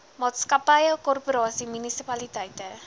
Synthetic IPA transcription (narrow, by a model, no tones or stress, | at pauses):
mɔt̪skapajakɔrpɾɔasimunisipalit̪ait̪a